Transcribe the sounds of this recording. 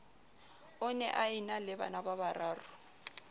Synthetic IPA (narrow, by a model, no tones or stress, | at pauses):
ʊnɛ̰ʔainalɪba̰nabaβaɾaːrʊ